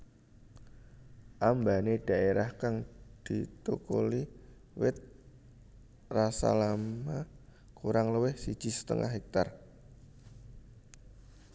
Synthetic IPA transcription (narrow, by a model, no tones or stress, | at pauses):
ʔambaneɖ̥a̤ʔeɾahkaŋd̪̥it̪uko̰li | wɪt̪̚ | rasa̰lamma | kuɾaŋləwɪhsid̥ʒ̥i̤sə̥t̪ə̰ŋʔa̰hɦɛk̚t̪ar